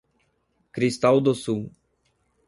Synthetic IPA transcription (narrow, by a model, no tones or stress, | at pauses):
kɾist̪awd̪ʊsuw